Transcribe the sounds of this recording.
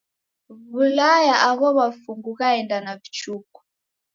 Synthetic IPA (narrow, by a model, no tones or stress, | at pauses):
vulajaʔaɣɔβafuŋɡuɣaɛndanavit͡ʃuku̥